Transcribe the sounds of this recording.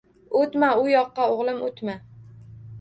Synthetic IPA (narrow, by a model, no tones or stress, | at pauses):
ot̪maʊjɒqːɑoʁlˠɪmot̪ma